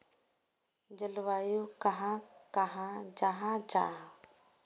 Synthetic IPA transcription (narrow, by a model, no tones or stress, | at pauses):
d͡ʒəlwajukaɦãkaɦãd͡ʒaɦãd͡ʒa̰